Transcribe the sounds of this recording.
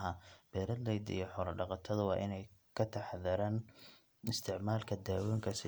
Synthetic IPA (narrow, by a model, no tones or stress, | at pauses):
ɦɐb̥ɛːɾɐd̪lɛjd̪ḭjɞħɔɾɐɖɑqɑt̪ʰɐðʊwɑːʔɪnɛjkʰɐt̪ʰɐħðɐɾaːn | ɪst̪ʰɪʕmaːlkʰɐd̪aːwɛːŋkʰɐsɪ